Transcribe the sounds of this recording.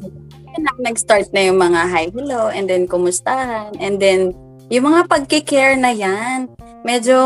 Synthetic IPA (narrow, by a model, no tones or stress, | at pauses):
ɐnɐŋnɐɡst̪aɹt̪̚nɐjʊŋmɐŋaɦajɦɪloʔɛnd̪ɛnkʊmʊst̪ahɐnʔɛnd̪ɛn | jʊŋmɐŋapɐɡ̚kɪkɛɹnɐjan | mɛd͡ʒo̞